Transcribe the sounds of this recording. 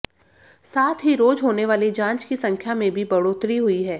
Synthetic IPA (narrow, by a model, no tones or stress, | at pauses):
saːt̪ʰɦiɾoːd͡ʒɦoːneʋaːlid͡ʒãːnt͡ʃkisɐ̃ŋkʰjamẽbʱibɐɽoːt̪ɾiɦʊiɦɛː